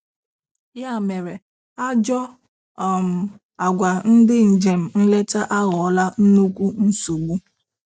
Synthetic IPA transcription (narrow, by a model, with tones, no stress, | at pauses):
ja˦˨me˨ɾe˨ | a˦d͡ʒɔ˦˨ | m̩˨ | a˨ɡʷa˨n̩˦dɪ˦n̩˨d͡ʒe˨m̩˨n̩˦le˦t͡ʃa˦ʔa˦ɣɔ˨˦la˦n̩˦nu˦kʷu˦n̩˦su˨ɡ͡bu˦